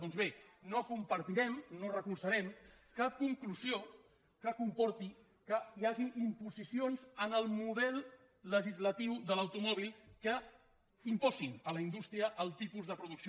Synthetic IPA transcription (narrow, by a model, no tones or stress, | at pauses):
ɔnzβenokumpəɾt̪iɾɛmnorəkuɾsəɾɛm | kap̚kuŋkluzio | kəkumpɔɾt̪i | kəiaʒiʔimpuzisionzənəlˠmuðɛlˠ | ləʒizlət̪iwðələwt̪umɔβ̞ilˠkə | impɔzinələind̪ust̪ɾiəʔəlˠt̪ipuzðəpɾuðuks